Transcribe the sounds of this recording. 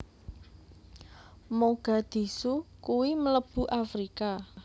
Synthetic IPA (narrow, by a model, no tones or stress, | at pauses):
moɡ̥a̤d̪̥i̤sukuwimələb̥ṳʔafɾika